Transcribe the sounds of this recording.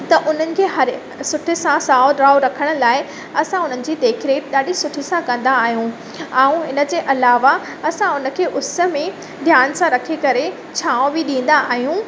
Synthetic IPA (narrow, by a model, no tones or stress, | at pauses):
t̪ɐʔʊn̤ənɪ̆kʰeːɦɐɾ | sʊʈʰɪsãsaːɖɾaːʊɾɐkʰəɽ̃ʊ̆laːɪ | ɐsãʊn̤ənɪ̆d͡ʑiːd̪eːkʰɪɾeɗaːɗisʊʈʰisãkɐ̃nd̪aːɦijũ | ãːũɦɪnə̆d͡ʑeːʔɐlaːʋa | ɐsãʊnə̆kʰeːʔʊsə̆mẽ | d̪ʱjaːnsãɾɐkʰekɐɾe | t͡ɕʰaːõbɪɗĩːn̆d̪aaːɦijũ